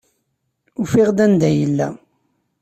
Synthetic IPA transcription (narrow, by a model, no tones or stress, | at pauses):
ufiʁd̪ænd̪æjəlːæ̰